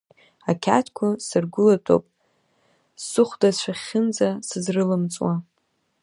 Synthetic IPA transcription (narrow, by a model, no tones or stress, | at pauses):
akʲʰa̰tʰkʷʰasɨrɡʷʊlatʼo̰pʼ | sːɨχʷdazʃʷʰᶣaχʲɪnd͡zasɨzrɨlɨmt͡sʼwa